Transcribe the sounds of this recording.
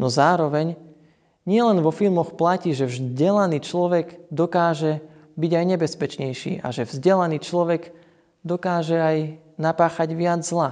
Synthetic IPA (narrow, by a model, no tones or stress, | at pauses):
nɔzaːɾɔʋɛɲ | ɲɪɛlɛnʋɔfilmɔxplaciːʒɛvzɟɛlaniːt͡ʃlɔʋɛɡd̪ɔkaːʒɛ | biɟajɲɛbɛspɛt͡ʃɲɛjʃḭːʔa̰ʒɛvzɟɛlaniːt͡ʃlɔʋɛɡ | d̪ɔkaːʒɛaj | napaːxaɟʋɪad͡zzla